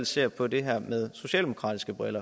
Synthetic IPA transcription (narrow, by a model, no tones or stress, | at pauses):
l̰se̝ɐ̰pʰɒ̽de̝ɦæɐ̰með̞ˠso̝ɕɛ̰ːld̥e̝mo̝̥kʰʁɑ̰̈ːd̥isɡ̥əb̥ʁɛlɐ